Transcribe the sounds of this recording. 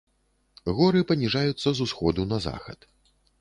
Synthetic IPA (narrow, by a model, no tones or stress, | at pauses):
ɣɔɾɨpɐnʲiʐajut̪sːɐzusxɔd̪unɐza̰xɐ̰t̪